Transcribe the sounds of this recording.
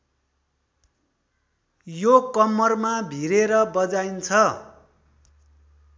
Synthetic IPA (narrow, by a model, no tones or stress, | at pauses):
jokʌmːʌrmabʱiɾeɾʌbʌd͡zajnt͡sʰʌ